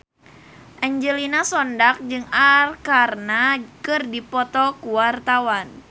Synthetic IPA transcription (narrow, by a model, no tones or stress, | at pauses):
ʔaɲd͡ʒəlinasɔndak̚d͡ʒɨŋarkarnakɨrdipɔt̪ɔkuwart̪awan